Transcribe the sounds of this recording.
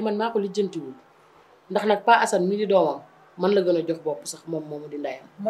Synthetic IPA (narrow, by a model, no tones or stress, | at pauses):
imɐnmaːkɔliɟəntiwul | ndɐxnɐk̚paːʔɐsɐnmididɔːmɐn | mɐnlɐɡɐnɔɟɔxbɔːpusɐxmɔmːɔːmɐdindɐjɐm